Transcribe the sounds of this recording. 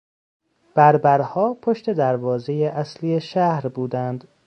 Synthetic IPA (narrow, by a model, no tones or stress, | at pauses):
b̥æɾbæɾhɒːpʰoʃt̪e̞d̪æɾvɒːze̞jeʔæsliːjeʃæhɾbuːd̪ænd̪